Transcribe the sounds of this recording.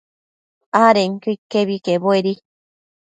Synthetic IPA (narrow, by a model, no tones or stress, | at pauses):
aɾeŋkikːeβikeboeɾi